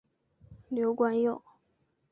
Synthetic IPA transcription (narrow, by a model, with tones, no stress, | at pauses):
ljo˧˥ʊkwa˥njo˥˩ʊ